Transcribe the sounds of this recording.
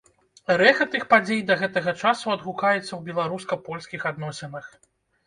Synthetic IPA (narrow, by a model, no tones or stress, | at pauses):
ɾɛxɐt̪ɨxpad͡zʲejd̪ɐɣɛt̪ɐɣɐt͡ʂasuɐd̪ɣukajɛt̪sːɐwbʲɛlˠaɾuskɐpɔlʲskʲixad̪nɔsʲɛnɨx